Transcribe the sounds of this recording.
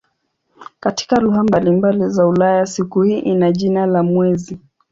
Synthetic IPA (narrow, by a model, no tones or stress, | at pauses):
kati̥kaluɦambalimbalizaulajasikuhiʔinaʄinalamwɛzi